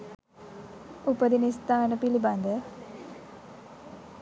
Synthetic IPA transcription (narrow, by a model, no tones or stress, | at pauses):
upəd̪inist̪aːnəpiliband̪ə